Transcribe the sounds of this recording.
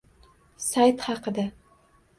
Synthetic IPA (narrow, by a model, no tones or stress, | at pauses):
sajt̪χɑqɨd̪a